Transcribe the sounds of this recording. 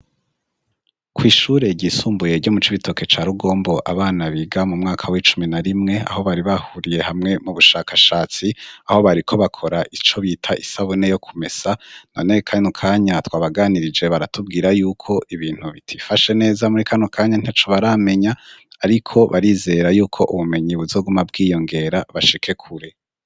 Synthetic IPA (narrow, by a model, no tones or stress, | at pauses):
kwiːʃuːɾe̞ɟisuːmbuje̞ɾɟo̞mut͡ʃiβito̞ke̞t͡ʃaːɾuɡo̞ːmboʔa̰βaːnaβiːɡamumŋaːkʰawit͡ʃuminaɾimŋe̞a̰ho̞βaɾiβahuɾije̞hamŋe̞muβuʃakʰaʃaːt͡siaho̞βaɾikʰo̞βakʰo̞ɾaʔit͡ʃo̞βiːtʰaʔisaβune̞jo̞kʰume̞sananekʰanokʰaːɲatwaːβaɡaːniɾid͡ʒe̞βaɾatub̚ɡiːɾajuːkʰo̞ʔiβiːn̥huβitʰifaʃe̞ne̞ːzamuɾikʰanukʰaːɲan̥at͡ʃoβaɾame̞ɲaːɾikʰo̞βʔaɾiːze̞ɾajuːkʰo̞ʔuβume̞ɲiβuzo̞ɡumabɡiːjo̞ŋɡe̞ɾaβaʃikʰe̞kʰuɾe̞